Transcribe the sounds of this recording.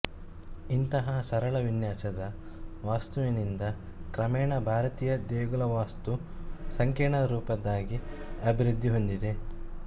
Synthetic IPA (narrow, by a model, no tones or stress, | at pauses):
int̪ɐɦɐsɐɾɐɭɐʋinjaːsɐd̪ɐ | ʋaːst̪uʋinind̪ɐ | kɾɐmɛːɳɐbʱaːɾɐt̪iːjɐd̪eːɡulɐʋaːst̪usɐŋkeːɳɐɾuːpɐd̪aːɡiɐbʱiɾud̪ʱːiɦo̞nd̪id̪e̞